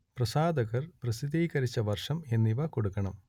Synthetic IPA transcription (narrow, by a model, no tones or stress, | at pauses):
prɐsaːd̪ɐɣɐrprɐsid̪iːkɐɾit͡ɕːɐʋɐrʂɐme̞nːiʋɐko̞ɽukːɐɳɐm